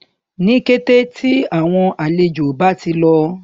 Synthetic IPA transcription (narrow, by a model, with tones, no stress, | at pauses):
nĩ˦ke˦te˦tʰi˦a˦˨w̃ɔ̃˧a˨le˧d͡ʒo˨ba˦ti˧lɔ˧